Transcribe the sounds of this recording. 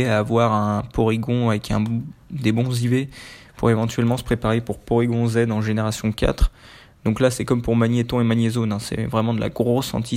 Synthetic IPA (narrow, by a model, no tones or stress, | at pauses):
aːvwaʁɛ̃pɔʁiɡɔ̃avɛkʰɛ̰̃d̪ebɔ̃zivepṵʁevɑ̃t̪ɥɛlmɑ̃sə̥pχepaʁepuʁpɔʁiɡɔ̃zɛd̪ɑ̃ʒeneʁasjɔ̃ka̰t̪χ | d̪ɔ̃klasɛkɔmpuʁmanjɛt̪ɔ̃emanjezonɛ̃sɛ̰vʁɛmɑ̃d̪əla̰ɡʁosɑ̰̃t̪ʰi